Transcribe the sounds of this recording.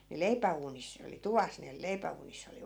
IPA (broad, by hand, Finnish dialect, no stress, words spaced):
ni leipæuːnis ne oli tuʋɑs ne leipæuːnisː oli